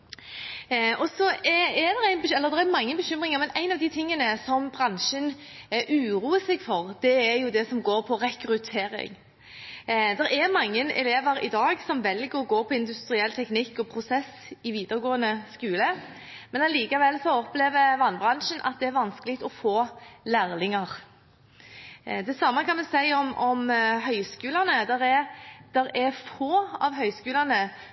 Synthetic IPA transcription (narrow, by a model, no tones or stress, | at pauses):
ɔsɔɛɛd̪ɛʁæɪnbəɛlːəʁd̪ɛɾɛɾmɑŋːəbəɕʏmʁɪŋəɾmɛnæɪnɑʋd̪ɪt̪ʰɪŋːənəsɔmbɾɑnʂən | ʔʉːɾuːəsɛɡfɔʁd̪̥ɛɛɾjʊd̪ɛsɔmɡoːɾpʰɔʁɛkɾʉt̪ʰeːɾɪ̰ŋ | d̪ɛɾɛɾmɑŋːənɛ̰leːʋəɾɪ̰d̪ɑːɡsɔmʋɛlɡəɾɔɡoːpʰɔɪnd̪ʉst̪ɾɪɛlːt̪ʰɛknɪkːɔpʰɾʊsɛs | ɪʋiːd̪əɾɡoːənəskʉːlə | mɛnɑliːkɑʋɛlsɔɔpleːʋəʋɑnbʁɑnʂənʔɑ̰t̪̚d̪ɛæɾʋɑnskəlɪkt̪ɔfoːlæɾlɪŋɑʁ | d̪ɛsɑmːəkʰɑnʋɛsæɪɔmɔmɦœʏskʉːlɑnəd̪ɛɾɛd̪̥ɛɾɛfoːɑʋɦœʏskʉːlɑnə